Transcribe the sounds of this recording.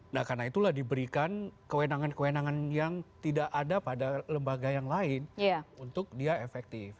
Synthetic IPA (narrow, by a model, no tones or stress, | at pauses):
nahkarnait̪ulahdibəɾikankəwenaŋankəwenaŋanjaŋt̪idaʔadapadaləmbaɡajaŋlaɪnjaunt̪ʊk̚diaefɛk̚t̪ɪf